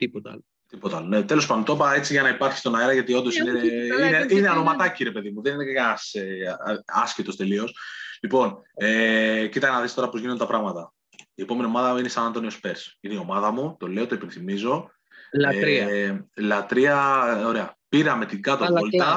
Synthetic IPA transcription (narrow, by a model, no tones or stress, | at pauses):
t̪ipot̪ | t̪ipot̪ɐɐlonet̪e̞lo̞spɐndot̪o̞pɐe̞t͡siʝɐnɐipɐɾçi̥st̪o̞naeɾɐʝɐt̪io̞nd̪o̞sineineineɐno̞mɐt̪ɐciɾe̞pe̞ðimuðe̞ninekɐse | ɐscit̪o̞st̪e̞lio̞slipo̞necit̪ɐnɐðest̪oɾɐpozʝinod̪et̪ɐpɾɐɣmɐt̪ɐ | ie̞po̞me̞nio̞mɐðɐinesɐnɐnt̪o̞nio̞spe̞ɾsineio̞mɐðɐmut̪o̞le̞ot̪o̞ipenθimizo̞ | lɾɐlɐt̪ɾiɐo̞ɾeɐpiɾɐme̞t̪iɡɐt̪olt̪ɐ